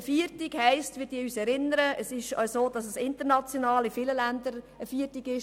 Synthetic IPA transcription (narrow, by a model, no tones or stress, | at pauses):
əfiːəɾtiɡ̥hɛɪstʋiːd̥iːyːsɛɾɪnəɾəəsɪʃœ̰ɥsoːd̥ɑsəsɪntəɾnɑt͡sjonɑːlɪfiləlændəɾ | əfiːtiɡɪʃ